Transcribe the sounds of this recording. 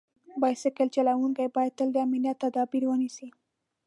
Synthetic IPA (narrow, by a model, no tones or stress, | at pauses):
bɑjsɪkəlt͡ʃalawuŋkajbɑjad̪̚t̪əld̪əamiljat̪ːad̪ɑbiɾwənisi